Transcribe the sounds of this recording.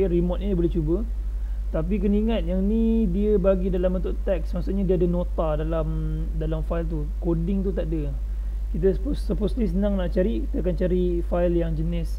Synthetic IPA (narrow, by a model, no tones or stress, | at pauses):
ɾimɔt̪̚ɲbolɛht͡ʃubə | t̪ap̬ik̬əniŋat̪̚jaŋnidiəbaɡidalambənt̪ʊʔt̪ɛksmaʔsuʔɲadiəadənot̪adalam | dalamfailt̪u | kodɪŋt̪ut̪aʔdə | kit̪̬əpːəposlisənãŋnaʔt͡ʃaɾiki̥t̪əakant͡ʃaɾifajljaŋd͡ʒənɪs